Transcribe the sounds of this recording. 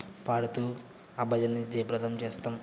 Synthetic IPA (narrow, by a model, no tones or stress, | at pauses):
paːɽut̪uː | ɐbʱɐd͡ʒɐnːid͡ʒɐjɐpɾɐt̪ʰɐmt͡ʃeːst̪aːm